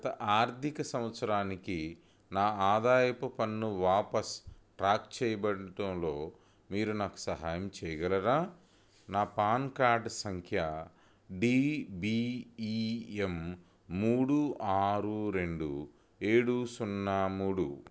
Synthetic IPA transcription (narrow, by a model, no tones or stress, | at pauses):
ɐt̪ɐʔaːɾt̪ikɐsɐ̃m̃ʋɐt̪sɐɾaːniki | naːaːd̪aːjɐpɐpɐnːuʋaːpɐsʈɾaːk̚t͡ʃɛːjɐbɐɽɐʈɐmlo̞ː | miːɾunaːku̥sɐɦaːjɐmt͡ʃɛːjɐɡɐlɐɾaː | naːpaːnkaːɾɖsɐŋkʰjɐ | ɖiːbiiemː | uːɽuʔaːɾuɾe̞ɳɖṵ | e̞ːɽusunːaːmuːɽṵ